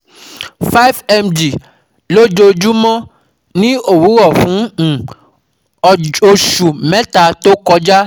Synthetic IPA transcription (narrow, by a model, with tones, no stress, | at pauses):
fa˦i˦fɛ˧md͡ʒi˨ | lo˦d͡ʒo˧d͡ʒu˦mɔ̃˦ | nĩ˦o˦˨wu˨˦ɾɔ˦˨fũ˨˦˨ | o˧ʃu˨mɛ̃˨˦ta˧to˦kɔ˧d͡ʒa˦